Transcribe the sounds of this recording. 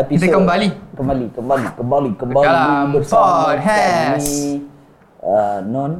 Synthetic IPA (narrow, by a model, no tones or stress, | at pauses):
pisakəmbalikəmbalikəmbalikəmbalikəmbalalaibəsɔt̚ɦɛmi | ənɔ̃n